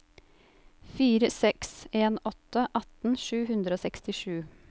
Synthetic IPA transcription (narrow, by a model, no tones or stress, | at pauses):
fiːɾəsɛkseːnɔt̪əʔɑt̪n̩ʃʉːhʉnd̪ɾəoːsɛkst̪ɪʃʉː